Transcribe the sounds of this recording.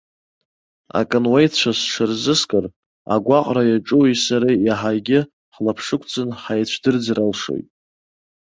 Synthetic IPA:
a̰kʼɨnwajtʰt͡ɕʷʰasʂɨrzɨskʼɨr | a̰ɡʷaqʼrajaʈ͡ʂʼuwijsaɾajaħaɡʲɪ | ħlapʰʂɨkʷʰt͡sʰʼɨnħajt͡ɕʷʰdɨrd͡zralʂo̰jtʼ

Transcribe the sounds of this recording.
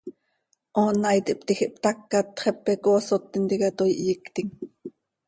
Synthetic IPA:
ʔoːnːɑjt̪iʔpt̪ixiʔpt̪akːat̪χɛpːɛkosot̪ːint̪ikat̪ojiʔjikt̪iŋ

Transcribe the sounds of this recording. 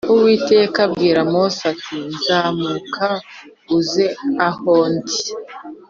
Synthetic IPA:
uwiːte̞kab̚ɡiːɾamosatʰinzamukʰa | uzeahoːndi̥

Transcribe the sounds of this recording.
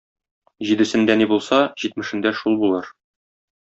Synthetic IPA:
ʑid̪ɘ̆sɘ̆nd̪ænibulˠsɑʑit̪mɘ̆ʃɘ̆nd̪æʃulˠbulˠɤɾ

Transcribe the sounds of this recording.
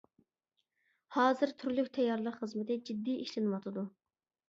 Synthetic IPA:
hɑːzɨɾt̪ʰyɾlykʲt̪ʰɛjːɑɾlˠəqχəzmɪt̪ɪd͡ʒid̪ːijʔiʃlɪnɨwɑt̪ʰɨd̪u

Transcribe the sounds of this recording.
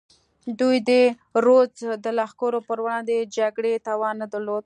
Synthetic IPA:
d̪ujd̪ə | ɾozd̪əlɑxkoɾopəɾwɳad̪əd͡ʒaɡɽet̪ɑwɑnːad̪əɾlod̪̚

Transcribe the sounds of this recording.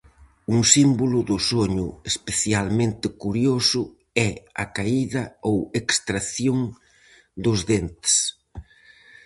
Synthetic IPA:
uŋsimbolʊðʊsoɲʊespeθjalmẽnt̪ɪkuɾjosʊ | ɛa̰kaiðɐowekst̪ɾaθjoŋ | d̪ʊzðent̪e̥s

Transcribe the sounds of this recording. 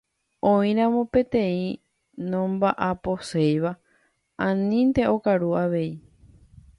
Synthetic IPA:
õĩɾ̃ãmõ̞pẽ̞t̪ẽ̞ĩ | nõmbaʔapo̞sejʋa | ãnĩnt̪e̞o̞kaɾuaʋe̞i

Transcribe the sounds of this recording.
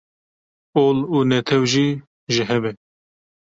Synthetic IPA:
oːluːnɛt̪ʰɛwʒiː | ʒɪɦɛbɛ

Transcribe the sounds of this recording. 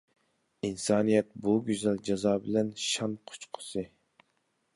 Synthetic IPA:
insɑːnijɛt̪̚buɡʲyzɛld͡ʒɑzɑːbɪlɛnʃɑnqʰo̥t͡ʃqʰə̥sɨ

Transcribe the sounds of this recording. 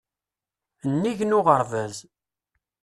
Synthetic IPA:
ənːiʝnʊʁəɾvæz

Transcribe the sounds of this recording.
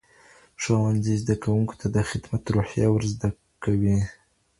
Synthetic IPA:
ʂawanzizd̪akawuŋko̥t̪ʰad̪əxɪd̪mat̪ɾuħjɑwəɾzd̪a | kawi

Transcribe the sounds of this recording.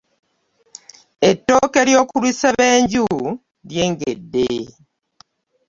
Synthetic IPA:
etːokeɾjoːkuɾwisaβeːɲɟu | ɾjeːŋɡḛdːḛ

